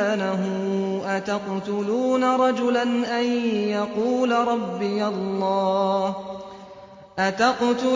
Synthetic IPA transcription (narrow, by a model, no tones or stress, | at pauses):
naɦʊʔat̪aqt̪ʊluːnaɾˤɑd͡ʒʊlanʔanjaquːlaɾˤɑbːɪjalːɑːh | ʔat̪aqt̪ʊ